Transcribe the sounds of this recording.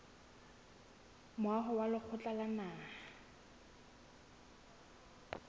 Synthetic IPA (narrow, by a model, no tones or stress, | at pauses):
mʊwaɦʊwalɪk͡xʰʊt͡ɬʼalanaːha